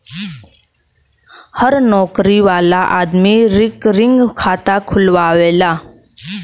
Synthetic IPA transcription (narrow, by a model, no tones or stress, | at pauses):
həɾnɔkɾiʋalaʔad̪miːɾikɾiŋɡkʰat̪akʰulʋaʋela